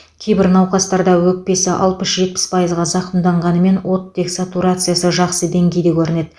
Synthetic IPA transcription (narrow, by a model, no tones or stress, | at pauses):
kʲʰe̞jbɪɾnɑwqɑst̪ɑɾd̪ɑwɵk̚pe̞sɪʔɑ̰lˠpəsʒ̥e̞t̪̚pɪ̥spʰajəzʁɑzɑqəmd̪ɑɴʁɑnəme̞nwo̞t̪ːe̞ksat̪uɾat̪sɨjasəʒɑqsəd̪e̞ŋɡʲe̞jd̪e̞kʲʰɵɾɪne̞d̪